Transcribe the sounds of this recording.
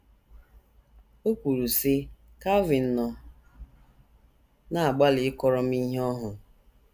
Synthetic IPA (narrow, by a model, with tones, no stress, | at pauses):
o˦kʷu˨ɾu˨sɪ˦ | ka˦vɪ˨n̩˦nɔ˨ | na˨a˨ɡ͡ba˦lɪ˨ɪ˦kɔ˦ɾɔ˦m̩i˦ɦe˦ɔ˦ɦʊ˨